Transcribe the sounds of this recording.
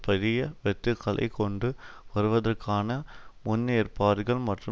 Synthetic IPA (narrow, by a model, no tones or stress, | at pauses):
pɐðɪjɐʋɛt̪ːɯkʰːɐɭɐ̰ɪkɔɳɖɯʋɐɾɯʋɐðɐrkaːnɐmʊnːeːɾpaːɾɯɣɐɭmɐʈrɯ